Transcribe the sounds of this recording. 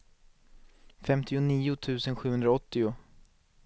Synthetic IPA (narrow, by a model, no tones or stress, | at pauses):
fɛmt̪ɪʊniːʊt̪ʰʉ̟ːsənɧʉ̟hɵnd̪ɾaɔt̪ːɪʊ